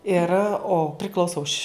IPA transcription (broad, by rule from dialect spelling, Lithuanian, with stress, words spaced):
ɪr oː pʲrʲɪˈklˠɐʊsoː ʊʃʲ